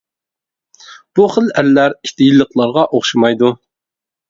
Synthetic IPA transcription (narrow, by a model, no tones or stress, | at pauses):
b̥uχəlæɾlæɾiʃt̪ɪjilːəqlˠɑɾʁɑʔoχʃimɑjd̪u